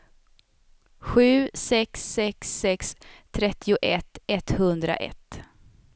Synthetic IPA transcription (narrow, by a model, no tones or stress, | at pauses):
ɧʉ̟ːsɛksːɛksːɛkst̪ʰɾɛt̪ʰːɪʊʔɛt̪ːɛt̪ːhɵnd̪ɾa̰ʔɛ̰t̪ː